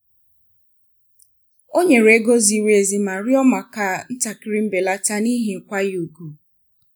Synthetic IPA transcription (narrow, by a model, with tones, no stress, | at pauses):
o˦ɲe˨ɾe˦ɡo˦zi˦˨we˨zi˨ma˨ɾɪ˦ɔ˦ma˨ka˦˨n̩˦ta˨kɪ˦ɾi˦m̩˦be˨la˦ta˦ni˦ɦi˨ŋ̩˦˨kʷa˦ju˨ɡu˨